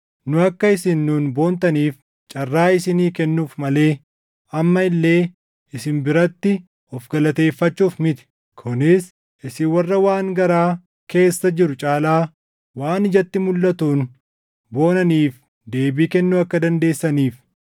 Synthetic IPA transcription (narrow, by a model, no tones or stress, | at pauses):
nʊɐkːɐɪsɪnːuːnbo̞ːnt̪ɐniːf | t͡ʃʼɐrːaːɪsɪniːkɛnːuːfmɐle̞ː | ɐmːɐɪlːe̞ː | ɪsɪnbɪɾɐt̪ːɪ | ɔfɡɐlɐt̪e̞ːfːɐt͡ʃːuːfmɪt̪ɪ̥ | kʰʊnɪs | ʔɪsɪwɐrːɐwaːŋɡɐɾaː | ke̞ːsːɐd͡ʒɪɾʊt͡ʃʼaːlaː | waːnɪd͡ʒɐt̪ːɪmʊlːɐt̪uːn | bo̞ːnɐniːf | d̪e̞ːbiːkɛnːuːɐkːɐd̪ɐnd̪e̞ːsːɐniːf